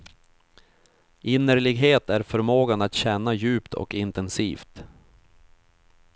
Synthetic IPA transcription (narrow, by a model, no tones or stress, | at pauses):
ʔɪnːəɾɭɪɡɦeːt̪æɾfœɾmoːɡanat̪ɕɛnːajʉ̟ːpt̪ʰɔ̰kɪnt̪ɛnsḭːft̪